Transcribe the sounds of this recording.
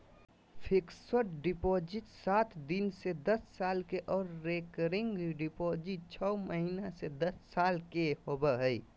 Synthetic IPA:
pʰiksəʈɖipod͡ʒiʈsat̪ʰd̪insed̪əsːaːlkeʔɔːɾːekəɾɪŋɡɖipod͡ʒit̚t͡ʃʰɔməɦinased̪əsːaːlkeɦobəɦəɪ

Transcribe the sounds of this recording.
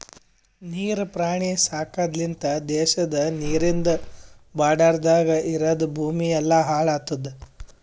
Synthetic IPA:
niːɾpɾaːɳisaːkaːd̪lint̪ɐd̪ɛːʃɐd̪ɐniːɾind̪ɐbaːɖaːɾd̪aːɡɐʔiɾɐd̪ubʱuːmijɛlːɐɦaːɭaːt̪ːɐd̪ːe

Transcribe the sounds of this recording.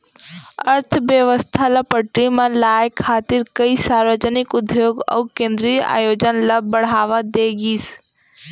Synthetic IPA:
əɾt̪ʰbjəʋəst̪ʰalɐpəʈɾimẽlaːjekʰːaːt̪ɪɾkəisaːɾʋəd͡ʒənɪkʊd̪joːɡɔ̰ukẽːnd̪ɾija̰ːjoːd͡ʒənlɐbəɽ̤aːʋad̪eɡiːs

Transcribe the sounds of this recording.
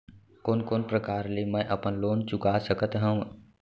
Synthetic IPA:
koːnkoːnpɾəkaːɾlemɛ̃ʔɐpənloːnt͡ʃʊkaːsəkət̪ɦə̃

